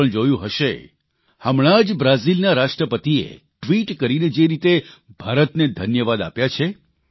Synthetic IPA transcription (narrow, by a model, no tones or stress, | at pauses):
əɳd͡ʒojũɦəʃe | həmɭ̃ad͡ʒbɾazilnaɾaʃʈɾəpət̪iḛ | ʈʋiʈkəɾined͡ʒeɾit̪ebʱaɾət̪ned̪ʱənjəʋad̪a̰pjat͡ʃʰe